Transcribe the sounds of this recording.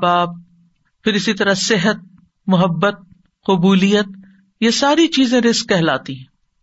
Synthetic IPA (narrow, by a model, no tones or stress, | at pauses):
baːb̚ | pʰɪɾɪsit̪ɐɾasɪɦət̪̚ | mʊɦəbːət̪̚ | qʊbuːlijət̪̚ | jesaːɾit͡ʃiːzẽɾɪskːɛɦlaːt̪iɦɛ̃ː